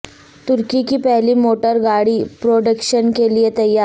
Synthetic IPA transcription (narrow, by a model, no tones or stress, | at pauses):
t̪uɾkikiːpɛɦliːmoʈəɾɡaɽiːpɾoɖəkɕənkelijet̪əjaɾ